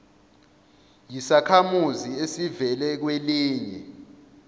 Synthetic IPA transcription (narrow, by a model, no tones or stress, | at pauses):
jisakʰamuziesivɛlɛk̬weliːɲɛ